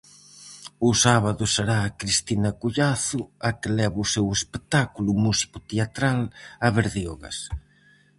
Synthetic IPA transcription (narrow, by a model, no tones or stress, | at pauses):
ʊsaβaðʊseɾaːkɾist̪inɐkuʎaθʊɐkɪlɛβʊsewespet̪akulʊmusi̥kʊt̪eat̪ɾalɐβeɾðeoɣɐ̰s